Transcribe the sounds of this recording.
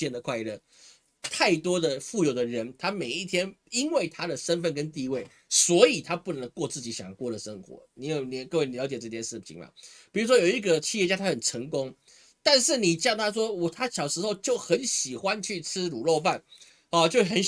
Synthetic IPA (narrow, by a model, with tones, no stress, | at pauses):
ɛ˥˩nd̪ə˩kʰwa˥˧ɪ˧lə˥˩ | t̪ʰa˥˩ɪt̪wɔ˥d̪ə˨fu˥˩jo˨˩ʊd̪ə˨ɻə˧˦nt̪ʰa˥me˨˩ɪi˥˩t̪ʰjɛ˥ni˥nwe˥˩ɪt̪ʰa˥d̪ə˨ʂə˦˥nfə˥˨nkə˦nt̪i˥˧we˥˩ɪ | swɔ˧˥i˨˩t̪ʰa˥pu˥˩nə˧˦ŋkwɔ˥˧t͡sɹ̩˥˩t͡ɕi˨˥ɕjɑ˨˩ŋ˦kwɔ˥˩d̪ə˩ʂə˦˥ŋxwɔ̰˧˥˦ni˧˥˦jo˨˩nɛ˧˦kɤ˥˧we˥˩ɪni˨ljɑ˧˥t͡ɕɛ˨˩ʈ͡ʂɤ˥˧t̪ʰjɛ˥nʂɻ̩˥˩t͡ɕʰḭ˧˥ŋma̰˨˩pi˨˩ɻu˧˥ʂ̬wɔ˥jo˨˩ʊi˧˥ɡə˨t͡ɕʰi˥˧jɛ˥˧t͡ɕja˥t̪ʰa˥xə˨˩nʈ͡ʂʰə˧˥ŋkʊ˥ŋ | t̪a˥˧nʂɻ̩˥˩ni˨˩t͡ɕjɑ˥˩ŋt̪ʰa˥ʂ̬wɔ˥wɔ˨˩t̪ʰa˥ɕjɑ˨˩ʂɻ̩˧˥xo˥˧ʊt͡ɕjo˥˨˩ʊxə˨˧˥nɕi˨˩xwa˦nt͡ɕʰy˥˩t͡sʰɹ̩˥lu˨˩lo˥˧ʊfa˥˨n | ɔ˥˨t͡ɕjo˥˧ʊxə˨˦n